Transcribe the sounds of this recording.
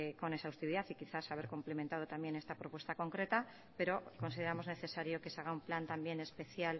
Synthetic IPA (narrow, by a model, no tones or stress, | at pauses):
ko̞nesawst̪iβiðaθikiθasaβ̞e̞ɾkomplemẽnt̪að̞o̞t̪ambje̞ne̞st̪apɾo̞pwest̪ako̞ŋkɾe̞t̪a | pe̞ɾoko̞nsiðeɾamo̞zne̞θe̞saɾjo̞ke̞saɣ̞aumplant̪ambje̞ne̞spe̞θjal